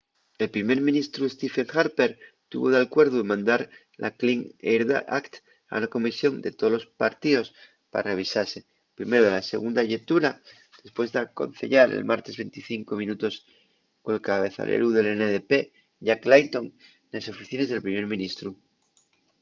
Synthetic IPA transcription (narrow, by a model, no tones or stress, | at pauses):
e̞lpɾime̞ɾmĩnist̪ɾuest̪ifeŋxaɾpeɾ | t̪ṵβoðealkwe̞ɾðuemãnd̪aɾ | lʔa̰kliŋeɾða̰ʔakt̪ | a̰unako̞misjo̞nd̪e̞t̪oðolo̞spaɾt̪iðo̞s | pa̰ɾare̞β̞isaɾse̞ | pɾime̞ɾoðelase̞̰ɣund̪aʝet̪uɾa | d̪̥e̞spwe̞zðeako̞̰n̟θe̞̰ʎaɾḛlmaɾt̪e̞zβent̪iθiŋko̞mĩnut̪o̞s | koelkaβe̞θa̰lʔḛɾuðe̞leneðepe | ʝaklant̪oŋ | neso̞fiθine̞zð̞e̞lpɾime̞ɾmĩnist̪ɾu